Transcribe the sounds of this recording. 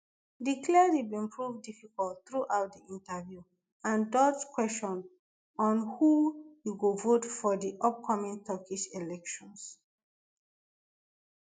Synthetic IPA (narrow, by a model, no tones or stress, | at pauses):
dikʰlɛdibĩmpʰɹuvdifikɔltθɹuʔaʊt̚diʔĩntəvju | ãndɔtkwɛstɔ̃n | ɔ̃nhujuɡovotfɔdiʔɔp̚kʰɔmĩŋtʰɔkiʃelɛkʃɔ̃ns